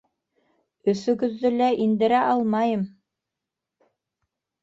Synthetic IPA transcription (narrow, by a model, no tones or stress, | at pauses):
ɵ̆sɵ̆ɡɵ̆ðːɵlæʔind̪ɘ̆ɾæʔɑlˠmɑjɤm